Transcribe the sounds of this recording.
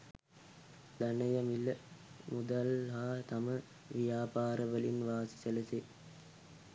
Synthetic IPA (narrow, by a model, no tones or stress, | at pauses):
d̪anəjəmiləmud̪alːaːt̪amə | ʋijaːpaːɾəʋəlinʋaːsi̥sələse